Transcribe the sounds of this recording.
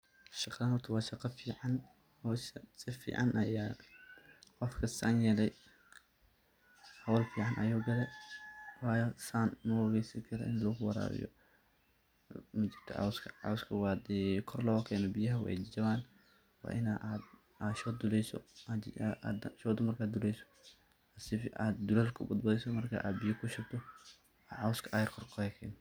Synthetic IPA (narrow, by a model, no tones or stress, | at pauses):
ʃɑq̪aːnɔt̪ʰɐwɑːʃɑqɑfiːʕɑn | hɔssɪfḭːʕɑ̰nʔɐ̰jaː | qɔfkʰɐsɐnjɛlɛj | hɐwlfiːʕɑnʔɐjuːɡɐlɛ | wɑːjsaːnmɔwɐɣɛjsɐŋkʰɐɾɔʔɪnlɔɣʊwɑɾa̰ːɾɪ̰jɔ̰ | mɐt͡ʃɪ̥rt̪ʰɔ̰ʕɑ̰wskʰɐ̥ʕɑ̰wskʰɐwɑd̪ɛkʰɔrlɔːkʰɛːnɔbɪjɐɦɐwɑ̰jd͡ʒɐβaːn | wɑ̰ːʔɪnaʔd̪ | aʃɔːd̪ʊlɛjsɔ̰ | ʃɔːd̪ɔmɐrkʰaːd̪ʊlɛjsɔ̥ | ɐsɪfa̰ːd̪ːʊlɐlkʰʊbɐd̪bɐðɪsɔmɐrkʰa̰ʔa̰ːd̪bijɐkʰʊʃɐbt̪ʰɔ | aʕɑwskʰɐʔajɐrkʰɔrkʰɔɾɛkʰɛːn